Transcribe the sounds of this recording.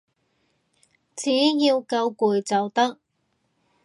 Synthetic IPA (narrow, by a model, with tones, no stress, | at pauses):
t͡siː˨˥jiː˧wkɐ˧wkuː˨jt͡sɐ˨wt̪ɐ˥k̚